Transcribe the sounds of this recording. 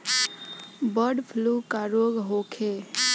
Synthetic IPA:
bəɾɖpʰluːkaɾoːɡɦokʰe

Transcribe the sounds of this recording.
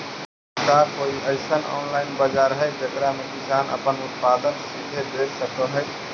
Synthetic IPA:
kakoːiʔəɪsənɔ̰ːnlaːɪnbəd͡ʒaɾəɦɛd͡ʒəkɾamẽkɪsaːnə̰pənʊt̪̚pad̪ənsid̪ʱed̪eɾsəkəɦə

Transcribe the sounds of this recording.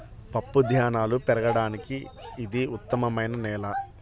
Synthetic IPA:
pɐpːud̪ʱjaːnaːlupɛɾɐɡɐɽaːnikiːd̪iut̪ːɐmɐmɐjnɐnɛːlɐ

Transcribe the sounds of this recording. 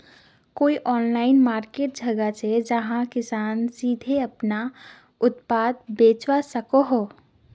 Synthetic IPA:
koːiʔɔːnlaːɪnmaːɾkeːʈ̚d͡ʒʱɐɡat͡ʃʰed͡ʒɐɦãkɪsaːnsiːd̪ʱeɐpna | ʊt̪paːd̪̚beːt͡ʃwasɐkoɦoː

